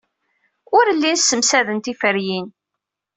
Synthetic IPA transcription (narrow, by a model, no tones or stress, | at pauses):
ʊɾəlːinsːəmsæðənt̪ifəɾjin